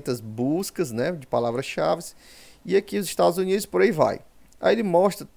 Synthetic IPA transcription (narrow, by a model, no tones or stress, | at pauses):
t̪ɐzbuskɐznɛd͡ʒɪpalavɾɐsʃavɪs | ɪɐkiʊzɪʃt̪ad̪ʊzunid̪ʊspoɾaiva̰j | a̰elɪmɔʃt̪ɾɐ